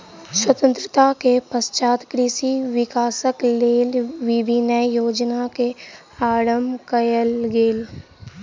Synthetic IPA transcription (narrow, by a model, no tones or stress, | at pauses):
swət̪ə̃nt̪ɾət̪akepəst͡ʃaːt̪kɾɪsiʋɪkaːsəkleːlʋɪbʱinəjjoːd͡ʒnake | aːɽəmkəjəlɡeːl